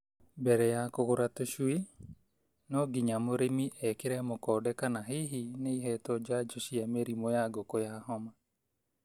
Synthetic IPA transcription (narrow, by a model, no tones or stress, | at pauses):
bɛɾɛjakoɣoɾatoʃue | nɔɡiɲamoɾemiʔɛkeɾɛmokɔːdɛkanaɦeɦineiɦɛtɔd͡ʒad͡ʒoʃiameɾimojaɡokojaɦɔma